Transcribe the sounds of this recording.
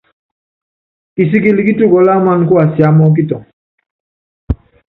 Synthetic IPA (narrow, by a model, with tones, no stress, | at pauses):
ki˨si˦ki˨li˨ki˦tu˦˨kɔ˨la˦ma˦n˦ku˦a˨si˨a˦mɔ˦k̬i˦tɔ˨ŋ